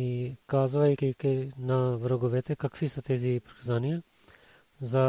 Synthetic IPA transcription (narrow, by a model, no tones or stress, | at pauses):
ikazvajkikɛnavɾɔɡovɛt̪ɛkakvisat̪ɛzipɾi̥kazanija | za